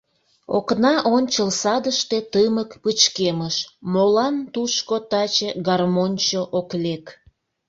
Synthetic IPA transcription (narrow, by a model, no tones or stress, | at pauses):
o̰knɑʔonʲt͡ɕəlsɑd̪əʃt̪et̪əməkpət͡ɕkeməʃmolɑnt̪uʃkot̪ɑt͡ɕeɡɑrmonʲt͡ɕoʔoklek